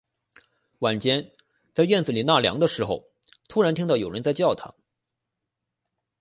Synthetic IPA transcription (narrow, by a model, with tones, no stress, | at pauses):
wa˨˩nt͡ɕjɛ˥n | t͡sa˥˧ɪɥɛ˥˩nd͡zɹ̩˨˩li˨˩na˥˩ljɑ̰˧˥ŋd̪ə˧ʂɻ̩˧˥xo̰˧ʊ | t̪ʰu˥ɻa˧˥nt̪ʰi˥ŋt̪ɑ˥˩ʊjo˨˩ʊɻə˧˥nt͡sa˥˧ɪt͡ɕjɑ˥˩ʊt̪ʰɑ̰˧˥˦ŋ